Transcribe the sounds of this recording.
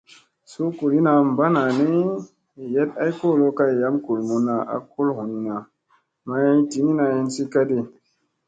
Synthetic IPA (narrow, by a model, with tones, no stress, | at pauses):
su˦ku˨ɾi˦na˧m˨ba˦na˨ni˦˨ | je˦t̚a˦jko˦˨lo˦ka˧˨ja˨˦mku˨lmu˨na˨a̰˨ku˦lhu˨ni˨na˨ | ma˧˦i˦ti˨˦ni˦na˧˨hi˧nsi˦ka˦di˧